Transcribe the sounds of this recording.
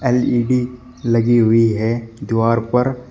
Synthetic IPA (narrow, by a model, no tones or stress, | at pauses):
eːliːɖi | lɐɡiɦʊiɦɛd̪waːɾpɐɾ